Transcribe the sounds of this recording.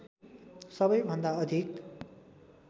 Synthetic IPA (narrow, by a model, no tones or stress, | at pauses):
sʌbʌjbʱʌnd̪aʌd̪ʱik